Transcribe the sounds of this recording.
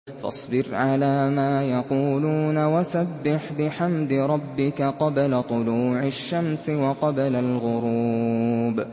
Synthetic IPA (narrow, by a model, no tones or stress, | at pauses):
fɑ̰sˤbɪɾʕalaːmaːjɑquːluːnawasabːɪħbɪħamd̪ɾˤɑbːɪkaqɑblat̪ˤʊluːʕaʃːamsɪwɑqɑblalɣʊɾuːb